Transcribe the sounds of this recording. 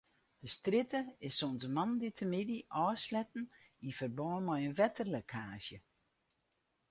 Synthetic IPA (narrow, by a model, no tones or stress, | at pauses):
d̥əstrɪtəɪsonzəmanditʰəmɪdiʔɔːslɛtn̩ | ifərbɔːnmɔjənʋɛtərlokʰaːsjə